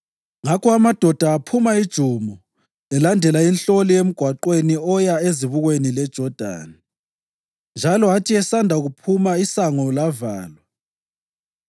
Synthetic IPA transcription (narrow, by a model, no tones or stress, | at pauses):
ŋakʰɔamad̥ʱɔd̥ʱaːpʰumaid̥ʒ̥ʱumɔ | ɛlandʱɛlainɬoliem̩ɡ̥ʱwaǃweniɔjaeziβuɣwenilɛd̥ʒ̥ʱɔd̥ʱa̰ːni | nd͡ʒʱalɔatʰiɛsandʱaɣupʰumaisaŋɔlavaːlwa